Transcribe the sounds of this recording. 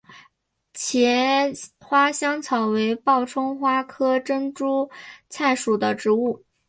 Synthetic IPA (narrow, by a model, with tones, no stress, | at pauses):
t͡ɕʰjɛ˧˥ | xwa˥ɕjɑ˥ŋt͡sʰɑ˨˩ʊwe˧˥ɪpɑ˥˩ʊʈ͡ʂʰʊ˥ŋxwa˥kʰɤ˥ʈ͡ʂə˥ŋʈ͡ʂu˥t͡sʰa˥˩ɪʂu˨˩d̪ə˦ʈ͡ʂɻ̩˧˥u˥˩